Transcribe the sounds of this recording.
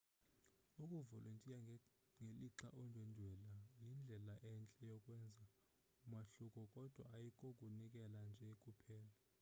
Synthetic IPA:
ukʼuvɔlʔuntʼija | ŋeliǁaʔɔndʱwɛndʱwɛlajind͡ɮʱɛlaʔɛnt͡ɬʼɛjɔkʼwɛnd͡zʱa | umaɬukʼɔkʼɔd̥ʱwaːjikʼɔkʼunikʼɛland͡ʒʱɛkʼupʰɛːla

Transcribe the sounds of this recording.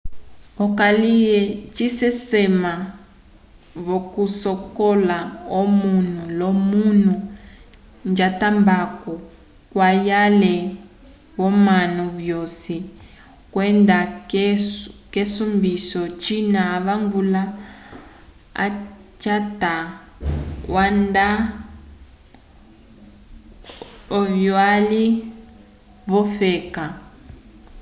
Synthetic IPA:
ɔkalijɛt͡ʃisɛsɛma | βokusɔkɔlaomun̤ulomun̤u | nd͡ʒatambakɔ | kwajalɛ | βɔmanɔβjosi | kwɛnda | kesumbisɔt͡ʃinaːβaŋɡula | a̰t͡ʃata | wanda | ɔvjɔali | βɔfɛːka

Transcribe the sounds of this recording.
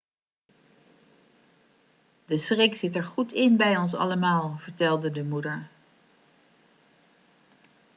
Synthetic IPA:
d̥əsrɪksɪtɛɹχutʰɪnbɛjɔns̬ɑ̰ləmaːlˠv̥əɹtɛlˠdədəmudəɹ

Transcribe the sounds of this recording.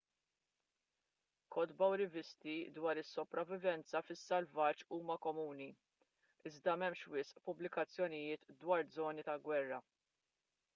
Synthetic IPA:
kʰɔd̪bɐwɾɪvɪst̪id̪wɐːɾɪsːɔpɾɐvːɪvɛnt͡sɐfɪsːɐlvɐt͡ʃuːmɐkɔmuːni | ɪzd̪ɐmɛmʃwɪsʔpʊblɪkɐt͡sːjɔnɪjɪːt̪d̪wɐːɾd͡zɔːnit̪ɐlɡwɛrːɐ

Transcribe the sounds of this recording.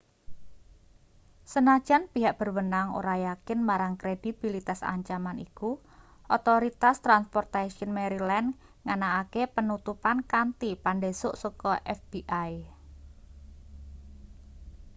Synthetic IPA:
sənḁʒ̥a̤npiɦaʔb̥ərwənaŋo̰ɾajakɪnmaɾaŋkɾed̥ib̥ilit̪asa̰ɲt͡ʃamaniku | ʔɔt̪ɔɾit̪ast̪ɾanspɔrt̪aʃənmeɾilɛn | ŋanaːkepənut̪upankant̪ipanɖesʊʔsɔkɔʔɛfb̥iʔaj

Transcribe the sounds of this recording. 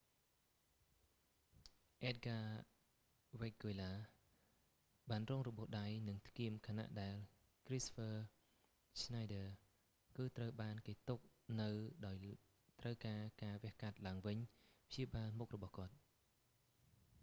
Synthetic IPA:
ʔɛːt̪̚ɡaː | ʋek̚ɡolaː | ɓaːnroːŋrɔɓʊ̆əhɗajnɨŋt̪ʰkiəmkʰaːna̰ʔɗaɛl | krispʰəː | snajɗəː | kɨːt̪rəwɓaːnkeːt̪uk̚nɨwɗaɔj | t̪rəwkaːkaːʋɛ̆əhkat̪̚laəŋʋɨɲpʰt͡ɕiəɓaːlmuk̚rɔɓɑhkŏət̪̚

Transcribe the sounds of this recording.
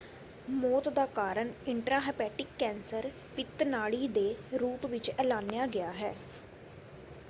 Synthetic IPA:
mɔːt̪d̪aːkaːɾəɳɪɳʈɾaːɦɛːpɛːʈɪkːɛ̃ːnsəɾ | pɪt̪naːɽiːd̪eːɾuːpʋɪt͡ʃɛːlaːnjaːɡɪjaːɦɛː

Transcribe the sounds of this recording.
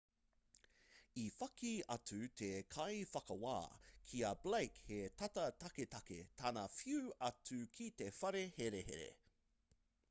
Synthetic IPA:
ifɐkiɐtʉt̪ʰekʰɐjfɐkɐwa̰ːkʰiɐbleɪkhet̪ʰɐtɐt̪ɐket̪ɐkḛt̪ʰaːnɐfiuɐtʉkʰit̪efɐɾeheɾehḛɾḛ

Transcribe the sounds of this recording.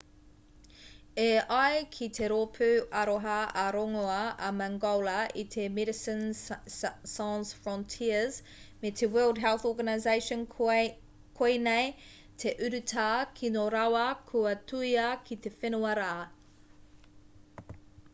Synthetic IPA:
eajkʰit̪ʰeɾopʰʉɐɾoɦɐɐɾoŋoɐɐmaŋɡolɐʔit̪ʰemɛdɪsən | sansfɹɔntʰiəz̥ | met̪ʰewɜlˠdɦɛlθoːɡɐnaɪzejʃən | kʰoinej | t̪ʰeʔʉɾʉtʰaːkʰinoɾawɐkʰuɐtʰuiɐkʰit̪ʰe̞fenuɐɾaʔː

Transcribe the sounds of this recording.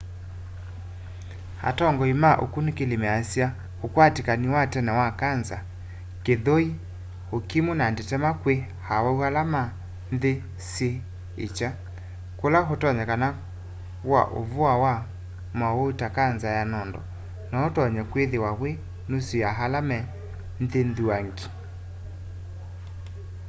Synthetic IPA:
ha̰tɔŋɡɔimaʔokunikelemɛasia | hokwatikaniwatɛnɛwakanza | keðoi | hokimunandetɛmakwe | hawaualama | nðe | se | ḛt͡ʃa | kolaɦotɔɲɛkana | βwa̰ʔo̰voawa | maotakanzajanɔndɔ̰ | naotɔɲɛkweðewaɣwe | nosujaɦalamɛ | nðenðuaŋɡi

